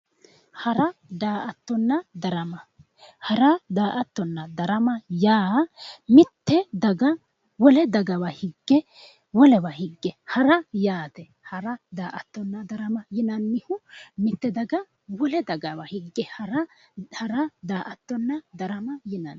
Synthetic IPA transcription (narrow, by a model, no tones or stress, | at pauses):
hɐɾɐd̪aːʔɐt̪ːɔnːɐd̪ɐɾɐmɐ | hɐɾɐd̪aːʔɐt̪ːɔnːɐd̪ɐɾɐmɐjaːmɪt̪ːɛd̪ɐɡɐ | wɔlɛd̪ɐɡɐwɐhɪɡːɛ | wɔlɛwɐhɪɡːɛhɐɾɐjaːt̪ɛ | hɐɾɐd̪aːʔɐt̪ːɔnːɐd̪ɐɾɐmɐjɪnɐnːɪhʊmɪt̪ːɛd̪ɐɡɐ | wɔlɛd̪ɐɡɐwɐhɪɡːɛhɐɾɐ | hɐɾɐd̪aːʔɐt̪ːɔnːɐd̪ɐɾɐmɐjɪnɐn